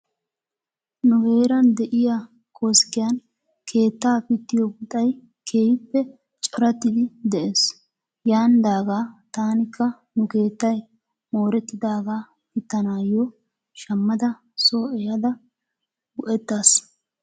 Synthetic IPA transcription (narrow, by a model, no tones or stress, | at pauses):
nʊɡe̞ːɾɐnd̪ɛʔɪja | kʰoskɪjɐn | kʰe̞ːt̪ːaːpɪt̪ːɪjɔɡʊt̪ʼːɐj | kʰeːjɪpːɛ | t͡ʃʼɔɾɐt̪ːɪd̪ɪd̪ɛʔeːs | jaːnd̪aːɡaːt̪aːnɪkːɐ | nʊke̞ːt̪ːɐj | moːɾɛt̪ːɪd̪aːɡaː | pɪt̪ːɐnaːjɔ | ʃɐmːɐd̪ɐ | soːɛjɐd̪ɐ | ɡʊʔɛt̪ːaːs